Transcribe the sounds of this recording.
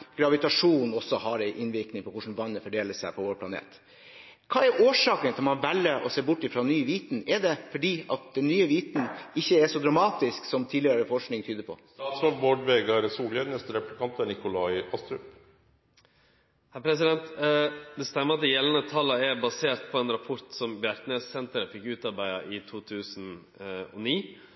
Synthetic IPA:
ɡ̥ɾɑʋɪt̪ɑʂuːnɔsɔhɑɾæɪʔɪnʋɪɾknɪŋpʰɔkʊʂn̩ʋɑnːəfɔɖeːləsæɪpʰɔʋoːɾpʰlɑnḛːt̪ | kʰɑːɛɾʔoːʂɑːkənt̪ʰɪlmɑnʋɛlːəʔɔseːbʊʈːɪfɾɔnyːʋiːt̪n̩ɛɖɛfɔɖiːɑt̪̚d̪ɛnːyːəʋiːt̪n̩ɪçːəɛʂɔd̪ɾɑmɑːt̪ɪsksɔmt̪ʰid̪lɪəɾəfɔʂknɪŋt̪ʰyːd̪əɾpʰɔ̰ | t̪ɑːt̪slɔɡboːɖʋeːɡɑɾsuːlənɛst̪əɾɛplɪkʰɑnt̪æɳɪkʊlɑɪɑst̪ɾœp | hæɾpʰɾɛs̬ɪd̪ɛnt̪d̪ɛst̪ɛmːəɾɑt̪̚d̪ɛjɛlənət̪ʰɑləɛɾbɑseːɾʈ̪pʰɔɛːnɾɑpʰɔɾt̪sɔmbjæɾt̪nesɛnt̪əɾəfɪkːʉːt̪ɑɾbæɪɑʔɪt̪ʰuːt̪ʰʉːsn | ɔ̰niː

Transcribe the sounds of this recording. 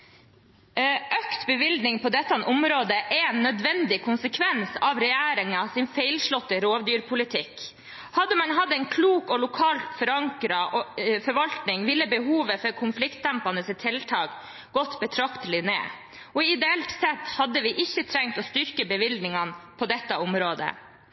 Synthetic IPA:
ʔœkt̪bəʋɪld̪nɪŋpʰɔd̪ɛt̪ːɑnʔʊmɾoːd̪əʔɛnːœd̪ʋɛnd̪ɪkʰʊnsəkʰʋɛnsɑʋɾɛjæːɾɪŋɑsɪnfæɪlʂɭɔt̪ːəɾoːʋd̪yːɾpʰʊlɪt̪ʰɪk | hɑd̪ːəmɑnɦɑd̪ːɛɪnkʰluːkɔlʊkʰɑːlt̪fɔɾɑŋkɾɑfɔɾʋɑlt̪nɪŋʋɪlːəbəɦuːʋəfɔɾkʰʊnflɪkt̪̚d̪æmpɑnəst̪ʰɛlt̪ʰɑːk | ɡ̥ɔt̪ːbət̪ʰɾɑkt̪əlɪnḛː | ɔɪd̪ɛɛlt̪sɛt̪ːhɑd̪ːəʋɪʔɪçːət̪ʰɾɛŋt̪ɔst̪ʏɾkəbəʋɪld̪nɪŋɑnpʰɔd̪ɛt̪ːɑʊmɾoːd̪ə̰

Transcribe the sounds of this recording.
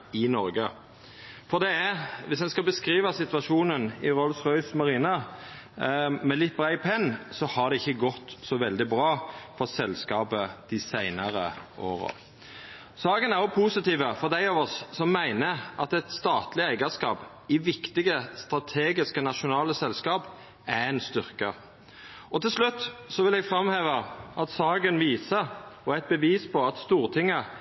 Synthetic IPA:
ɪnɔɾɡə | fɔɾd̪ɛæʋɪsdɛnskɑbəskɾiːʋɑsɪt̪ʋɑʃuːnənɪʁɔlsʁœʏsmɑʁiːnɑ | mɛlɪt̪̚ːbɾæɪpʰɛnːsɔhɑʁd̪ɛɪçːəɡɔt̪ːsɔʋɛld̪ɪbɾɑːfɔɾsɛlskɑːpəd̪̥ɪsæɪnɑʁəʔoːʁə̰ | sɑːɡənæɾjʊpʰusɪt̪iːʋəfɔʁd̪æɪɑʋɔsːɔmːæɪnəʔɑt̪ɛt̪st̪ɑːt̪lɪæɪɡəskɑːp | ɪʋɪkt̪ɪɡəst̪ɾɑt̪ʰeːɡɪskənɑʃʊnɑːləsɛlskɑːp | æɛɪnst̪ʏɾkə | ʔɔt̪ʰɪlslʉt̪ːsɔʋɪlɛɡfɾɑmheːʋəʔɑt̪sɑːɡənʋiːsəɔæɪt̪̚bəʋiːspʰɔɑt̪st̪uːʁt̪ʰɪŋːə

